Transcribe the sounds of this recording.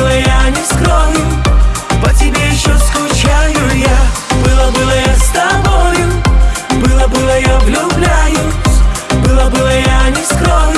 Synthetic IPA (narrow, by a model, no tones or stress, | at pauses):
lˠɐjanʲɛskɾɔɦʊpɐtʲɪbʲɛjɕːɔskʊt͡ʃajʊjabɨlˠɐbɨlˠɐjast̪abɔjʊbɨlˠɐbɨlˠɐjavlʲublʲajʊsʲbɨlˠɐbɨlˠɐjanʲɛskɾɔɦ